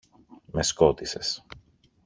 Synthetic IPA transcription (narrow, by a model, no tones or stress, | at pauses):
me̞sko̞t̪ise̞s